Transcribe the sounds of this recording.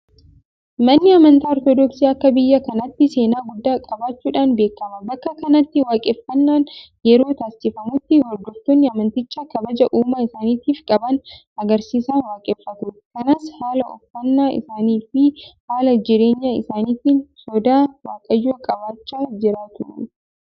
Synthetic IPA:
mɐnːɪɐmɐnt̪aːɔɾt̪ɔd̪ɔksiːɐkːɐbɪjːɐkɐnɐt̪ːɪse̞ːnaːɡʊd̪ːaːkʼɐbaːt͡ʃːuːᶑaːnbe̞ːkːɐmɐbɐkːɐkɐnɐt̪ːɪwaːkʼɛfːɐnːaːn | jɛɾo̞ːt̪aːsɪfɐmʊt̪ːɪwɐɾd̪ɔft̪onːɪɐmɐnt̪ɪt͡ʃːakɐbɐd͡ʒɐʔuːmaɪsaːniːt̪iːfkʼɐbɐn | ɐɡɐɾsiːsaːnwaːkʼɛːfːɐt̪uːt̪kɐnɐshaːlɐʔɔ̰fːɐnːaːʔɪ̰saːniːfɪhaːlɐd͡ʒɪɾe̞ːɲːaɪ̰saːniːt̪iːnsɔd̪aːwaːkʼɐjːuːkʼɐbaːt͡ʃːaːd͡ʒɪɾaːt̪ʊ

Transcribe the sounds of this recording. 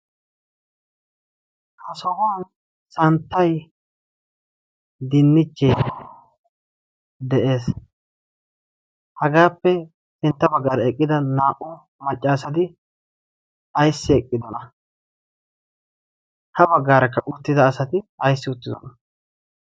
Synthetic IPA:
hɐsɔhɔɐn | sɐnt̪ːɐj | d̪ɪnːɪt͡ʃːɛj | d̪ɛʔe̞ːs | hɐɡaːpːɛ | ɪnt̪ːɐbɐɡːaːɾɐɛkʼːɪd̪ɐnaːʔʊ | mɐt͡ʃʼːaːsɐt̪ɪ | ɐjsːɪɛkʼːɪd̪ɔnɐ | hɐbɐɡːaːɾɐkːɐʔʊt̪ːɪd̪ɐːsɐt̪ɪɐjsːɪʊt̪ːɪd̪ɔ̰nɐ̥

